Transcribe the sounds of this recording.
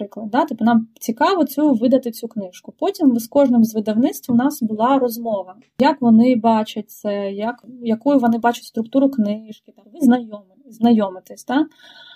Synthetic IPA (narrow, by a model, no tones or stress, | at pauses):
pɾɪklˠɐd̪̚d̪ɑt̪ipːʊnɑmt͡sʲikɑʋɔt͡sʲuʋɪd̪ɐt̪ɪt͡sʲuknɪʃkʊpɔtʲimʋskɔʒnɪmzʋɪd̪ɐwnɪt̪st̪ʲʋʲiʊnɑsbʊlˠɑɾɔzmɔʋɐ | jɐkʋɔnɪbɑt͡ʃɐt̚ʲsɛjɐkjɐkujʊʋɔnɪbɑt͡ʃʊ̥tʲst̪ɾʊkt̪uɾʊknɪʃkʲɪt̪aʋɪznɐjɔm | znɐjɔmɪt̪ɪsʲt̪a